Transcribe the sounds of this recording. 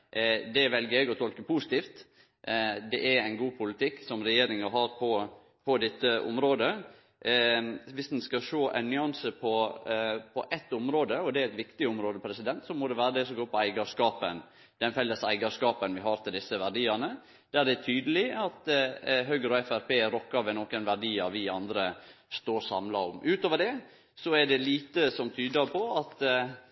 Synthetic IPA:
d̪ɛʋɛlɡəɾɛɡɔt̪ʰɔlkəpʰuːsɪt̪ʰiːft̪ | d̪ɛʔæɾæɪnɡuːpʰʊlɪt̪ʰɪkːsɔmɾɛjeːɾɪŋəɦɑɾpʰɔ | pʰɔd̪ɪt̪ːəʔʊ̰mɾoːd̪ə | ʋɪsd̪n̩skɑʃoːʔæ̰ɪnnʏɑnsəpʰɔ | pʰɔʔɛt̪ːʊmɾoːd̪əɔd̪ɛæɾæɪt̪ʋɪkt̪ɪʊmɾoːd̪əpʰɾɛsɪd̪ɛnt̪sɔmɔd̪ɛʋæːɾəd̪ɛsɔmɡoːɾpʰɔæɪɡɑʂkɑːpə̰n | d̪̥ɛnfɛlːəsæɪɡɑʂkɑːpənʋɪɦɑɾt̪ʰɪld̪ɪsːəʋæɖiːɑnə | d̪̥æɖ̪ɛæt̪ʰyːd̪əlɪɑt̪ɦøɡəɾɔɛfæɾpeːɾɔkːɑɾʋɛnoːkənʋæɖiːɑɾʋɪɑnd̪ɾəst̪oːɾsɑmlɑɾɔ̰mʔʉːt̪oːʋəɖɛ | sɔæɖɛliːt̪əsɔmt̪ʰyːd̪əɾpʰɔɑt̪

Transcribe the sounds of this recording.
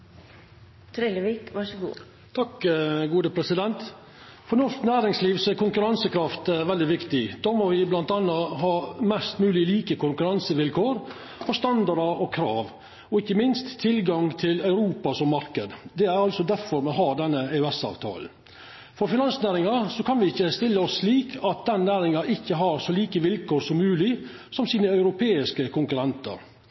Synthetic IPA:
t̪ʰɾɛləʋiːkʋɑʂəɡṵː | t̪ʰɑkːɡuːd̪əpʰɾɛsɪd̪ɛnt̪ | fɔɾnɔʂknæːɾɪŋsliːʋsɔæɾkʊŋkʉɾɑnsəkʰɾɑft̪ɛʋɛld̪ɪʋɪkt̪ɪd̪̥ɑːmɔʋɪblɑnt̪ɑnːəɦɑːmɛst̪mʉːlɪliːkəkʰʊŋkʉɾɑnsəʋɪlkʰoːɾ | ɔst̪ɑnd̪ɑɾɑɔkʰɾɑːʋ | ɔɪçːəmɪnst̪ʰːɪlɡɑŋt̪ʰɪlœʉɾuːpɑsɔmːɑɾkəd̪d̪ɛæɾɑlsɔd̪æɾfɔɾmɔɦɑːd̪ɛnːəɛʉɛsɑ̰ːʋt̪ʰɑ̰ːln̩ | fɔɾfɪnɑnsnæːɾɪŋɑsɔkʰɑnʋɪɪçːəst̪ɪlːəɔsːliːkʰɑt̪̚d̪ɛnnæːɾɪŋɑʔɪçːəɦɑɾsɔliːkəʋɪlkʰoːɾsɔmːʉːlɪ | sɔmsiːnəœʉɾʊpʰeːɪskəkʰʊŋkʉɾɛnt̪ə̰ɾ

